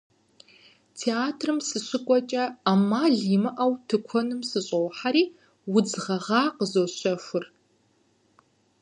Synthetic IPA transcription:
tʰeaːtʰrɨmsɨɕɪkʷʼɔt͡ʃʼɐaːmaːɮimɨʔɐwtʰɨkʷʰɔnɨmsɨɕʼowħaɾiː | wʊd͡zʁɐʁɑːqəzoːɕɐfʷʊr

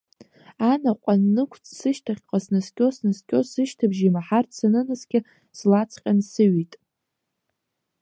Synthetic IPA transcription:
anaqʷʼanːɨkʷʰt͡sʼsɨʃtʰaχʲqʼasnɨskʲʼosnɨskʲʼo̞sɨʃtʰabʒimaħarsanɨnɨsɡʲɪ | slat͡sʰqʲʼansɨɥitʼ

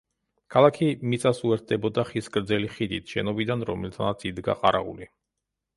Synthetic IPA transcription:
kʰalˠakʰimit̪sʼasuɛɾt̪̚ʰd̪ɛbɔd̪aχiskʼɾd̪zɛliχid̪it̪ʰʃɛnɔbid̪anɾɔ̰mɛlt̪ʰanat̪sʰid̪ɡa̰qʼaɾaʁṵli

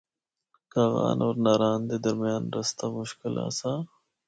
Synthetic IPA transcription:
kaːɣa̰ːnʔɔːɾnaːɾaːnd̪ed̪ɐɾmijaːnɾɐst̪amʊʃkɪla̰ːsaː

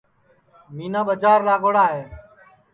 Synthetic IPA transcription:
miːnaːɓəd͡ʒaːɾːaːɠoːɽaːɦeː

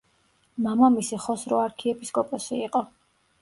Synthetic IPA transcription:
mamamisiχɔsɾɔaɾkʰiɛpʰiskʼɔpʼɔsiiqʼɔ

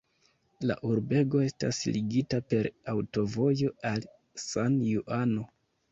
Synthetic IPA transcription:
la̰ʔuɾbe̞ɡo̞e̞sta̰sliɡitape̞ɾawto̞vo̞jo̞al | sanjuʔano̞

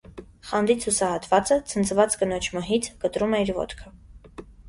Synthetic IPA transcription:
χɑnd̪it͡sʰusɑhɑt̪vɑt͡sət͡sʰənt͡sʰvɑt͡skənɔt͡ʃʰməɦit͡sʰkət̪ɾumɛiɾvɔ̰t̪kʰə

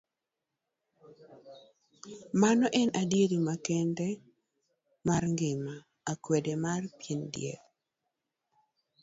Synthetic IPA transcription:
manɔʔɛnadjedomakɛndɛ | marŋɡɪmaː | kwedemarpjendjḛ

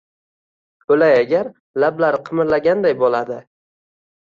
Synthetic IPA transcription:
ɵlajaɡʲaɾ | lablaɾɪqʰɨmɪɾlaɡʲand̪ajbolad̪ɪ

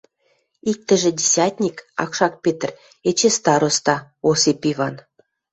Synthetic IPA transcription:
ik̚t̪ɘ̆ʒĕdʲesʲɑt̪ʲnʲikɑ̰kʃɑk̚pʲet̪̆r | et͡ɕest̪ɑɾost̪ɑ | osepʲivɑn

